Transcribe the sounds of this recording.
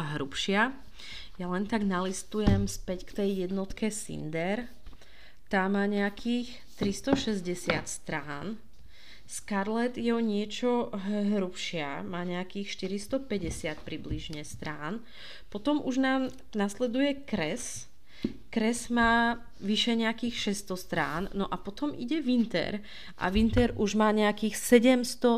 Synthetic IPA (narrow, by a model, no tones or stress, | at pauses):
ɦɾupʃɪa | jalɛnt̪aɡnalist̪ujɛmspɛckt̪ɛjjɛd̪nɔt̪kʰɛsḭnd̪ɛɾ | t̪aːmaːɲɛakʰiːx | t̪ɾist̪ɔʃɛzɟɛsɪat̪st̪ɾaːn | skaɾlɛt̪jɛɔɲɪɛt͡ʃɔɦɦɾupʃɪamaːɲɛakiːxʃt̪iɾist̪ɔpɛɟɛsɪat̪̚pɾibliʒɲɛst̪ɾaːn | pɔt̪ɔmuʒnaːm | naslɛd̪ujɛkɾɛs | kɾɛzmaː | ʋiʃɛɲɛakiːxʃɛst̪ɔst̪ɾa̰ːnːɔʔapɔt̪ɔmḭɟɛʋint̪ɛ̰ɾ | ʔa̰ʋint̪ɛɾuʒmaːɲɛakiːxsɛɟɛmst̪ɔ